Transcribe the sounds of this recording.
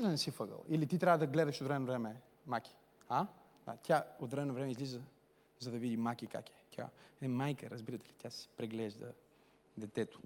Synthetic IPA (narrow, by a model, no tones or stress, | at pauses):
d̪ənɛsifəɡə̰lˠilit̪it̪ɾʲavəd̪ɐɡlɛd̪əʃot̪ɾɛɛnovɾɛmɛ | makʲi̥ | a | a̰t̪ʲjaot̪ɾɛɛnovɾɛmɛizlizə | zɐd̪ɐvid̪imakika̰kɛ̥t̪ʲa̰ɛmajkəɾɐzbiɾət̪ɛ̥lit̪ʲasɛ̥pɾɛɡlɛʒd̪ə̰ | d̪ɛt̪ɛt̪ʊ̥